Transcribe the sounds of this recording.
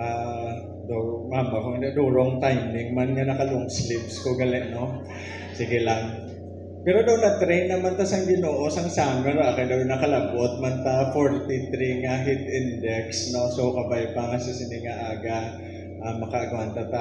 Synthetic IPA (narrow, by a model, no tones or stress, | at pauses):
ʔa | d̪umambakoŋɪnd̪ɛʔd̪uːɾoŋt̪ajmɪŋmanŋanɐkɐloʔŋslipskoɡɐlɛʔno̞ | siɡɪlaŋ | pɛːɾod̪ɐwnɐt̪ɾejnːɐmant̪ɐsɐŋɡɪnoːʔo̞sɐŋsaːmɛnbakɐjd̪ɐwnɐkɐlɐbot̪̚mant̪ɐfoɹt̪it̪ɾiŋɐɦit̪ɪnd̪ɛksno̞sowkɐbajpɐŋɐsɪsɪnɪŋɐʔaːɡɐ | ʔamɐkɐʔɐɡwant̪ɐt̪a